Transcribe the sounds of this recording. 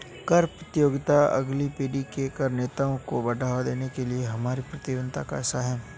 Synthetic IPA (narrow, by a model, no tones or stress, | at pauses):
kɐɾpɾɐt̪ɪjoːɡt̪aɐ̰ɡlipeːɖikekɐɾneːt̪aõkobɐɖʱaːʋad̪eːnekelieɦɐmaːɾipɾɐt̪ɪʋə̃nt̪akaɛsaɦɛː